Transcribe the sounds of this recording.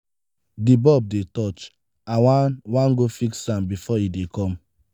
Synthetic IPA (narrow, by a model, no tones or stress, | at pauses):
dibɔb̚detɔt͡ʃ | ãwawãnɡofiksãmbifɔidekɔ̃m